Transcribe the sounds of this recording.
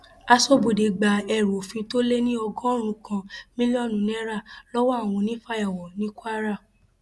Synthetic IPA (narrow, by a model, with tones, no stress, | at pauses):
a˧so˦bu˨de˨ɡ͡ba˨ɛ˨ɾo˨fĩ˧to˦le˦nĩ˦ɔ˧ɡɔ̃˦o˦˨ɾ̃ũ˧kã˧mĩ˦li˦ɔ˦˨nũ˨nɛ˦ɾa˦˨lɔ˦wɔ˦a˦˨w̃ɔ̃˧nĩ˨˦fa˦ja˨wɔ̃˨nĩ˨˦kʷwa˦ɾa˦˨